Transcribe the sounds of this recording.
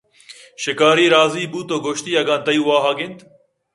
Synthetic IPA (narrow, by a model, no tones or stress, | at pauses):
ʃɪkaːɾiːɾaːziːbuːt̪oːɡoːʃt̪iːɐɡãːnt̪ɐjuːʋaːɦaːɡɪnt̪